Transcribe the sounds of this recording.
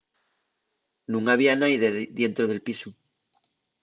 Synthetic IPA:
nũŋaβ̞ianajðeðje̞nt̪ɾoð̞e̞lpisu

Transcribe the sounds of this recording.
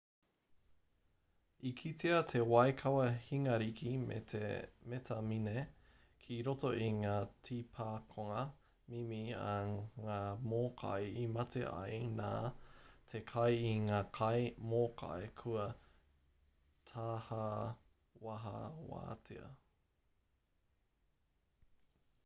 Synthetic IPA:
ikʰiteɐtʰewɐekʰɐwɐhiŋɐɾikʰimḛemetʰɐmine | kʰiɾotoʔiŋaːtʰipʰaːkʰoŋɐ | mimiɐŋaːmokʰa̰jimɐtʰḛʔɐ̰jna̰ːtʰekʰɐjiŋaːkʰɐjmoːkʰa̰ekʰuɐ | tʰaːha | wɐɦɐ̰wa̰ːtʰiɐ̰

